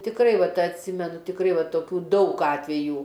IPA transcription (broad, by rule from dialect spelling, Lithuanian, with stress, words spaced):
tʲɪkˈrɐɪ ˈʋɐt ɐtʲˈsʲɪmʲɛnʊ tʲɪkˈrɐɪ ˈʋɐ toːˈkʲuː ˈdɐʊk ˈɑːtʲʋʲɛjuː